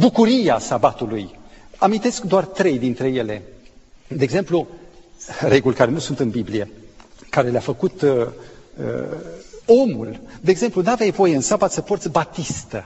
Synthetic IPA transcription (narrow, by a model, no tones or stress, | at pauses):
bukuɾijeasabat̪ulujamint̪e̞skd̪oart̪ɾe̞jd̪int̪ɾe̞je̞le̞ | d̪eːɡze̞mplu | ɾe̞ɡulʲkaɾe̞nusunt̪ɨnbiblie̞kaɾe̞leafəkut̪ | ə̰ | o̞mṵld̪eːɡze̞mplunavjajvo̞je̞ɨnsabat̪səpo̞rt̪sʲbat̪ist̪ə